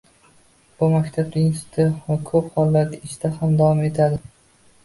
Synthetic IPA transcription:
b̥ʊmakʲt̪ʰab̚d̪ɪjɪnsɪ̥t̪ʰakʰɵphɒlˠːaɾɡʲaɪʃd̪ahamd̪avɒme̞t̪ʰad̪ɪ

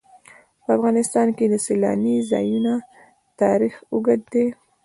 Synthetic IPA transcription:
pəafɣɑnɪst̪ɑnked̪əselɑ̰nizɑ̰juna | t̪ɑɾixuɡad̪̚d̪e

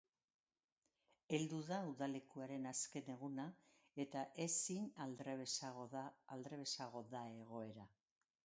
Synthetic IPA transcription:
e̞ld̪uðauðale̞kuaɾe̞naske̞ne̞ɣ̞una | e̞t̪aʔe̞sinalɾesaɣːld̪ɾe̞βe̞saɣo̞ðae̞ɣ̞o̞e̞ɾa

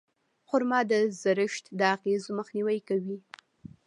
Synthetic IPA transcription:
xʊɾmɑd̪əzaɾɪʃt̪d̪əaɣezoməxniwajkawi

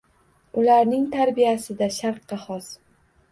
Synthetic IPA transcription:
ʊlaɾnɪŋt̪ʰaɾbijasɪd̪aʃaɾqːɑhɒs

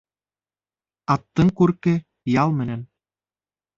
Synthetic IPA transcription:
ɑt̪ːɤ̆ŋkuɾkɘ̆ | jɑlˠmɘ̆næn

